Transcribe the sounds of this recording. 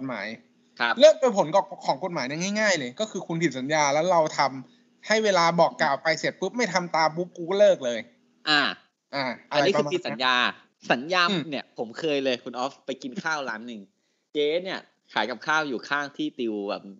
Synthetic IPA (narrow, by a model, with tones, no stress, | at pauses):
o˨˩t̪̚ma̰ː˩˦j | kʰɾa˦˥plɤː˥˩k̪̚o˧pʰo˨˩˦nkɔː˨˩kʰɔː˩˦ŋko˨˩t̪̚maː˩˦jna˥˩ŋa˥˩jŋaː˥˩jlɤː˧jkɔː˥˩kʰɯː˧kʰu˧npʰi˨˩t̪̚sa˩˦njaː˧lɛː˦˥wɾa˧wt̪ʰa˧m | ha˥˩jweː˧laː˧bɔː˨˩kːaː˨˩wpa˧jsi˨˩t̪̚pɯ˦˥p̚ma˥˩jt̪ʰa˧mt̪aː˧mpu˦˥p̚ku˦˥k̚lɤː˥˩k̚lɤː˧j | ʔaː˧˩ | ʔaː˧˩ʔa˧a˧niː˦˥˩k̪ːi˨˩sa˩˦˧njaː˧ | sa˩˦njaː˧mː˧˩ni˥˩ɐpʰo˩˦mkʰɤː˧jlɤː˧jkʰu˧nʔɔː˦˥fpa˧jki˧nkʰaː˥˩wlaː˦˥nːɯ˨˧ŋ | keː˧˥ni˥˩ɐ | kʰaː˩˦jka˨˩p̚kʰaː˥˩wjuː˨˩kʰaː˥˩ŋt̪ʰiː˥˩t̪i˧wbɛ̰ː˨˩p̚